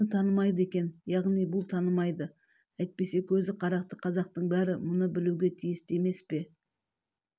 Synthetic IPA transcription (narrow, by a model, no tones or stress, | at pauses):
ət̪ʰɑnəmɑjd̪əe̞kʲe̞njɑʁnijbʊlˠt̪ʰɑnəmɑjd̪ə | æjt̪̚pe̞se̞kʲʰɵzɪqʰɑɾɑq̚t̪əqʰɑzɑq̚t̪əɴbæɾɪmʊnəbɪluɡʲe̞t̪ʰijɪst̪e̞me̞spe̞